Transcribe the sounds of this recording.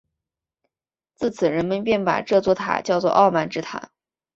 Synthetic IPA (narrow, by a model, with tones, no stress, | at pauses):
t͡sɹ̩˥˩t͡sʰɹ̩˨˩ɻə˧˥nmə˧˥np̬jɛ˥˩npa̰˨˩ʈ͡ʂɤ˥˧t͡swɔ˥˩t̪ʰa̰˨˩t͡ɕjɑ˥˧ʊt͡swɔ˥˧ʔɑ˥˧ʊma˥˩nʈ͡ʂɻ̩˥t̪ʰa̰˨˩˦